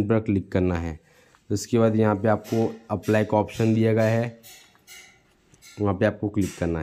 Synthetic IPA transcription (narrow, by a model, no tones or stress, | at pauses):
ʈbɾəɾklɪkːɐɾnaɦɛː | ʊskebaːd̪jɐɦãpeaːp̚koɐplaːjkɔːpʃənd̪ijaɡaɦɛ | ʋɐɦãpeaːp̚koklɪkːɐɾnaɦ